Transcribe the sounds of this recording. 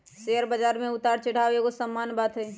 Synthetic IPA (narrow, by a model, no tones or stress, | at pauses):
seːəɾbəd͡ʒaːɾmẽʊt̪aːɾt͡ʃɐɽ̤aːʋeɡosəmːaːnbaːt̪ɦɛː